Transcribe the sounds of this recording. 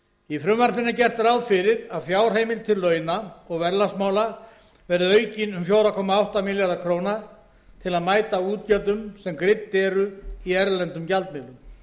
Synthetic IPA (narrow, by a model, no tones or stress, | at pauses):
ifɾʏmvar̥pɪnːacɛr̥t̪ɾawðfɪɾɪɾaðfjaːwr̥eːjmɪlt̪ʰɪlːœːɥnaɔɣvɛɾlasmaːwla | vɛɾðʏœɥcɪnʏmfjoːwɾakʰɔːmaawht̪amɪljaɾðakʰɾowna | t̪ʰɪlaðmaːjt̪auːt̪̚cœt̪ʏmsɛmkɾɪt̪ːɛːɾʏiɛɾlɛnt̪ʏmcalt̪mɪðlʏm